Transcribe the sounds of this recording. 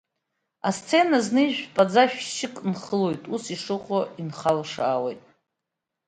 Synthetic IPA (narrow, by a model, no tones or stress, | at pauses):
ast͡sʰe̞naznɨiʒᶣpʼad͡zaʃᶣʃɪkʼnχəlojtʼusiʂɨχʷʼoinχalʂaːwḛjtʼ